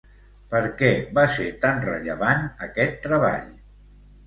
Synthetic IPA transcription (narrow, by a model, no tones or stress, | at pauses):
pəɾkɛβaset̪anrə̰ʎə̰βanəkɛt̪ːɾəβ̞a̰ʎ